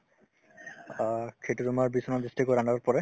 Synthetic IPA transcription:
kʰetuɹumaɹbisɔnɔd̪ɹistikɔanaɹpɔɹɛ

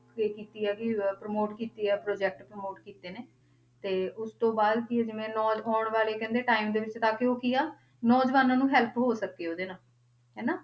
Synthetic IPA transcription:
eːkiːt̪iːɛːkɪpɾəmoːʈkiːt̪iːɛːpɾoːd͡ʒɛːk̚ʈpɾəmoːʈkiːt̪eːneː | t̪eːʊst̪õːbaːd̪kɪd͡ʒɪʋẽːnɔːɔːɳʋaːleːkɛ̃ːnd̪eːʈaːimd̪eːʋɪt͡ʃt̪aːkeoːkiːaː | nɔːd͡ʒʋaːnãːnũːɦɛːlpɦoːsəkːeːoːd̪eːnaː | ɦɛːnaː

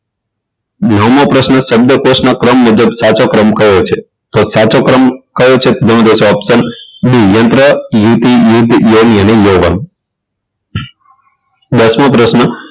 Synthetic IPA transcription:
nəmopɾəsnəʃəb̚d̪əkosnakɾəmːud͡ʒəbsat͡ʃokɾəmkəjot͡ʃʰe | t̪osat͡ʃokɾəmkəjot͡ʃʰet̪od̪ʱənõd̪esoəpsənbʱijənt̪ɾəjut̪ijud̪ʱjoniənejoʋə̰n | d̪əsmopɾəsnə

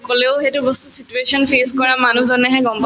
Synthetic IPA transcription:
koleʊxetʊbɔstusituesɔnpʰeskɔɹamanuzɔnɛɦɛɡɔmpɔ

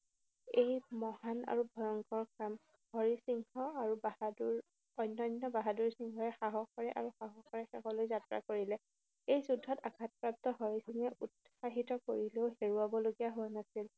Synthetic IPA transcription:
ejmɔhana̰ɹubʱɔjɔŋkɔɹkɹam | hɔɹisiŋkɔaɹubahaduɹ | ɔjnːɔjnːɔbaɦaduɹsiŋkɔɹɛxaɦɔxɔɹɛʔa̰ɹuxaɦɔxɔɹɛxɛkɔlojzatɹa̰koɹilɛ | ejzudʱːɔtakʰat̚pɹap̚tɔɦɔɹisiŋɛʔut | saɦitɔkoɹileʊɦeɹuabɔloɡijaɦʊwanasil

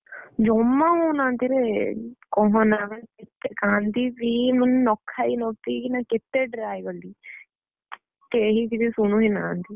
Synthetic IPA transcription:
d͡ʒɔːmːãːɦoːnãːnd̪iɾekɔɦonãːmənkɪt̪ekãːnd̪iːbiːmənːɔːkʰːaːinɔːt̪iːnãːkɪt̪ːeːɖɾaːjʋəliː | t̪eɦid̪idisunũːɦinaːnd̪iː

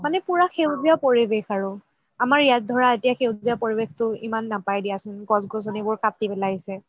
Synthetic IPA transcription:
manɛpuɹaxewziapoɹibexaɹʊ | amaɹijat̚dʱɔɹaetijaxewziapoɹibextʊimanːapajdijasʊnɡɔsɡɔsɔnibʊɹkatibɛlaɦisɛ

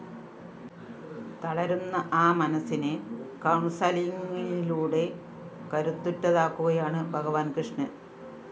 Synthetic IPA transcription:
t̪ɐɭɐɾunːɐʔaːmɐnɐsinɨkɐwɳsaːlijɐŋːɐɭiluːɽe̞ | kɐɾut̪ːutːɐðaːkːuɣɐjaːɳɨbʱɐɣɐʋaːnkrɨʂɳɨ

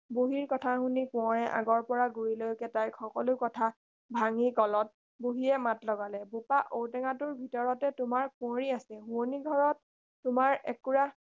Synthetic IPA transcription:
buɦiɹkɔtʰahunikʊ̃ɔɹɛʔa̰ɡɔɹpɔɹaɡuɹilojkɛtajxɔkɔlʊkɔtʰa | bʱaŋikɔlɔt̚ | buɦiɛmatlɔɡalɛbupaʔowtɛŋatʊɹbʱitɔɹɔtɛtʊmaɹkʊ̃ɔɹiasɛɦuoniɡʱɔɹɔtː | ʊmaɹɛ̰kːuɹa

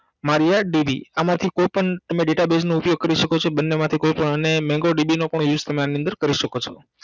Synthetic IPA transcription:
maɾijaɖibiamãt̪ʰikojpəɳt̪əmẽɖeʈabed͡ʒnoʊpjoɡ̚kəɾiʃəkot͡ʃʰebənːemãt̪ʰikojpəɳənemɛ̃ŋɡoɖibinopəɳjud͡ʒt̪əmeaniə̃nd̪əɾkəɾiʃəkot͡ʃʰɔ

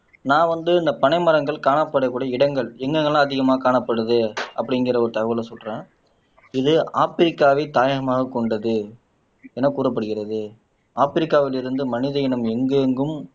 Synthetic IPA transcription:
nãːʋɐnd̪ɯɪnd̪ɐpɐɳɐɪmɐɾɐŋɡɐɭkaːɳɐpːɐɽɐkːuːɽɐɐɪɽɐŋɡɐɭɛŋɡɐŋɡɐɭlãːɐðɪɣɐmaːɐkaːɳɐpːɐɽɯðɯɐ̰pːɐɽɪŋɡɪrɐɔɾɯt̪ɐɣɐʋɪlɐsɔlrẽː | ɪðɯaːfɪɾɪkːaːʋɐɪt̪aːjɐɣɐmaːɣɐkːɔɳɖɐðɯ | ɛnːɐkuːɾɐp̬ːɐɽɯɣɪrɐðɯ | aːfɪɾɪkːaːʋɪlɪɾɯnd̪ɯmɐnɪðɐjɪnɐmɛŋɡɯŋɡɯm

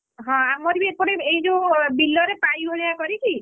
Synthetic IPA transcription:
ɦɔ̃amɔɾbiepɔɽ̃eeid͡ʒẽbilːɔɾepajbʱoɭijakɔɾiki

